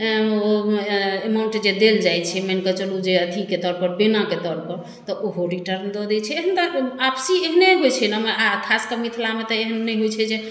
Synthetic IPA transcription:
emauɳʈd͡ʒed̪eld͡ʒajt͡ʃʰɛmɛnkət͡ʃəlud͡ʒeət̪ʰiket̪ɔɾpəɾbenaket̪ɔɾpəɾ | t̪ɔʔoɦoɾiʈəɾnd̪ɔd̪ɛt͡ʃʰɛeɦənt̪aapsieɦneɦojt͡ʃʰɛnəmeakʰaskəmit̪ʰlamet̪ɔeɦənːɛjɦojt͡ʃʰɛd͡ʒe

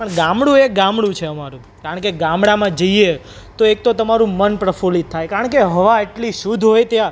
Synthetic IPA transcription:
pəɳɡãmɽũeɡãmɽũt͡ʃʰeəmaɾũ | kaɾəɳkeɡãmɽamãd͡ʒəie | t̪oek̚t̪ot̪əmaɾũmənpɾəfolit̪ʰːajkaɾəɳkeɦəʋaeʈliʃud̪ʱɦojt̪jã

